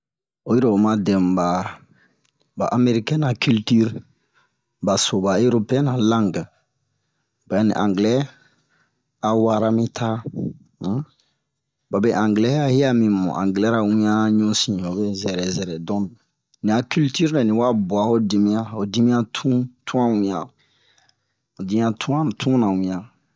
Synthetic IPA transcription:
o˨ji˦ɾe˨o˨mã˨dɛ̃˨m˨ba˨ | ba˨ʔa˦me˦ɾi˦kɛ̃˦na˨ky˦lty˦ɾ | ba˨so˨ba˨e˦ɾo˦pe˦ɛ̃˦nã˨lã˦ŋɡ | b̥a˨˦nḭ̃˨ʔã˨ŋɡlɛ˦ | a˨wa˦ɾa˦mĩ˦tʰa˦ | ba˨be˦˨ʔã˨ŋɡlɛ˦a˦hi˦a˦mĩ˨mɔ̰̃˨ʔã̰˨ŋɡlɛ˦ɾa˨wĩ˦ã˦ɲũ˦sĩ˨o˨be˦zɛ˨ɾɛ˨zɛ˨ɾɛ˨dɔ̃˦˨ | nĩ˨a˨ky˦lty˦ɾnã˨nĩ˨wa˦bu˨a˨o˦di˧mĩ˦ã˦o˨di˦mĩ˦ã˦tʰũ˦tũ˦ã˦wĩ˨ã˨ | o˨di˦mĩ˦ã˦tʰũ˦ã˦˨tʰũ˦nã˨wĩ˨ã˨

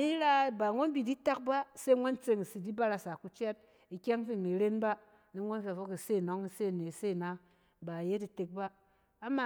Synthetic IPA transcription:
i˦ɾa˦˨ba˨ŋʷo˦n˦bi˨di˦ta˦k̚ba˦se˦ŋʷo˦nt͡se˧ŋi˨si˨di˦ba˦ɾa˧sa˨ku˦t͡ʃɛ˦t̚ | i˨kʲe˦ŋ˦fi˦˨ni˨ɾe˦nba˦ | ne˦ŋʷo˦n˦fe˨fo˦ki˨se˦˨nɔ˦ŋi˦se˦˨ne˨se˦˨na˦ | ba˨je˦ti˨te˨k̚baː˦ | ma˦˨

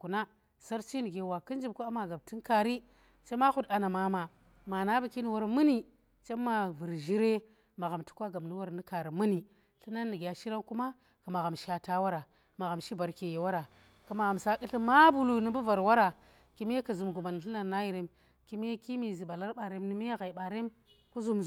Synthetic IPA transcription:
ku˨na˦ | sa˦ɾt͡ʃi˦ni˨ɡe˨wa˨ki˦nd͡ʒi˦b̚ku˦a˦ma˨ɡa˨b̚ti˦nka˨ɾi˦ | t͡ʃe˦ma˦xu˦da˨na˨ma˦ma˨ | ma˨na˦ba˨ki˦ni˨wa˦ɾmɨ˦ni˨ | t͡ʃe˦mːa˨vɨ˨ɾʒi˦ɾe˦ | ma˨ɣa˨mtu̥˦kʷa˦ɡa˨m˨ni˦wa˦ɾni˦ka˨ɾi˨mɨ˦ni˨ | ɬi˦na˦nːi˨ɡʲa˨ʃi˦ɾa˦nku˦ma˦ | ka˨ma˨ɣa˨mʃa˨ta˦wa˦ɾa˨ | ma˨ɣa˨mʃi˦ba˨ɾke˨je˨wa˦ɾa˨ | ka˨ma˨ɣa˨msa˦ki˦ɬi˦ma˦bu˦lu˨ni˦bu˦va˨ɾwa˦ɾa˨ | ki˦m˦e˦ka˨zu˨mɡu˨ma˨n˨ɬi˦na˦˨na˦ji˨ɾe˦m | ki˦m˦e˦ki˦mi˨zi˨ɓa˨la˦ɾɓa˨ɾe˦mni˦mi˦e˦ɣa˨i˨ɓa˨ɾe˦m | ku˦zu˦m

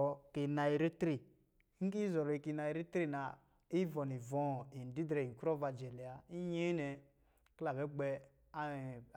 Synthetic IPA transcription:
ɔ˨ki˨na˨i˨ɾi˦tɾi˨˦ | ŋ̩˦ki˦zɔ˨ɾɔ˨i˨ki˨na˨i˨ɾi˦tɾi˦na˨ | i˦vɔ˨ni˨vɔ̃˨˦˨i˨n˨di˦dɾɛ˨i˨ku˦ɾɔ˦va˨d͡ʒɛ˨li˨a˨i˦ɲe˦nɛ˨ | kla˨βɛ˦ɡ͡bɛ˦ | a˦˨

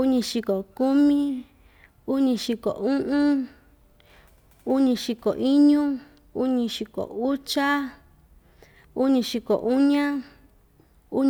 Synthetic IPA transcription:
u˦ɲĩ˧ʃi˧ko˨ku˦mĩ˦ | u˦ɲĩ˧ʃi˧ko̰˨ũ˦ʔũ˦ | u˦ɲĩ˧ʃi˧ko̰˨ʔi˦ɲũ˦ | u˦ɲĩ˧ʃi˧ko̰˨u˦t͡ʃa˦ | u˦ɲĩ˧ʃi˧ko̰˨ʔu˦ɲã˦ | u˦ɲ

